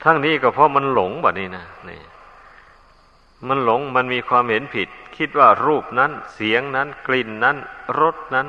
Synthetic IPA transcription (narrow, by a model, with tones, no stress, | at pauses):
t̪ʰa˧˥˩ŋniː˦˥˩kɔː˥˩pʰɔ˦˥ma˧nlo˨˩˦ŋbaː˨˩niː˧˩na˦˥˩nḭː˧˩ | ma˧nlo˩˦ŋma˧nmiː˧kʰwaː˧mhe˩˦npʰi˨˩t̪̚kʰi˦˥t̪̚waː˥˩ɾuː˥˩p̚na˦˥nsi˩˦əŋna˦˥nkli˨˩nːa˦˥nɾo˦˥t̪̚na˦˥n